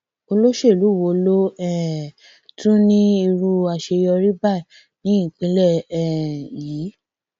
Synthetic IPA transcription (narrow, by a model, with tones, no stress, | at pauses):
o˧lo˦ʃe˦˨lu˨˦˨wo˧˦lo˦ɛ˦˨ | tũ˦nĩ˦i˧ɾu˦a˧ʃe˧jɔ˧ɾi˦ba˦˨ | nĩ˨˦ĩ˦˨k͡pĩ˨˧˦lɛ˦˨ɛ˨ji˨˦